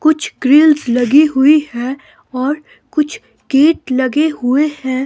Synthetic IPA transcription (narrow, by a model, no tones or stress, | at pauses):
kʊt͡ʃʰɡɾɪlzlɐɡiɦʊihɛ̃ | ɔːɾ | kʊt͡ʃʰ | keːʈlɐɡeɦʊehɛ̃ː